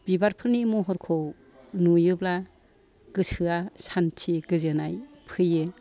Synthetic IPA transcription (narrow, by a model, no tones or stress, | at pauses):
b̥ibaɾpʰɯɾnimɔɦɔɾkʰɔw | nujɯbla | ɡ̥ɯsɯasantʰiɡɯzɯnaj | pʰɯjɯ